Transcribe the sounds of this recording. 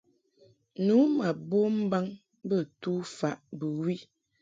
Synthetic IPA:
nu˨˦ma˨bo˦m̩˦ba˦ŋ | bə˦˨tu˦fa˨ʔbə˨wi˦

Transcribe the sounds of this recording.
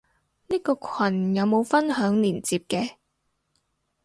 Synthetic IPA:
niː˥kɔː˧kʰɐ˨˩njɐ˨˧wmo˨˧wfɐ˥nɦœː˨˥ŋliː˨˩nt͡siː˧p̚kɛː˧

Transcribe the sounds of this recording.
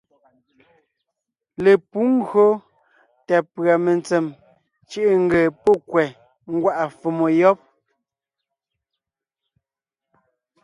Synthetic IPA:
le˨pu˨˦ŋ˦ɡɰo˦ | tɛ˨pɰa˨me˨nt͡se˨m | t͡ʃi˦ʔe˦˨ŋ̩˦ɡe˨po˦kwɛ˨ | ŋ̩˦ɡwa˦ʔa˨fo˨mo˨jɔ˦p̚

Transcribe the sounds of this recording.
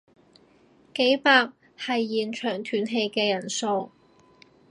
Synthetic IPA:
ke˨˥jpaː˧k̚ | hɐ˨jːiː˨nt͡ʃʰœː˨˩ŋt̪ʰyː˨˥nɦe˧jkɛː˧jɐ˨˩nso˨˧w

